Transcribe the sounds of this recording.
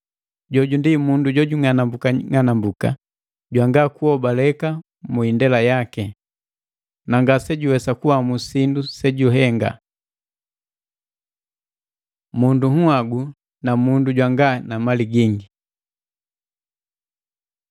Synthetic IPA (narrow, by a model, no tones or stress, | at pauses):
ɟɔɟundimunduɟɔɟuŋanambukaŋanambuka̰ | ɟwaŋɡakuhɔbalɛka | muindɛlajakɛ | naŋɡasɛɟuwɛsakuwamusindusɛɟuɦɛŋɡa̰ | munduhuaɡu | namunduɟwaŋɡanamaliɡiŋɡi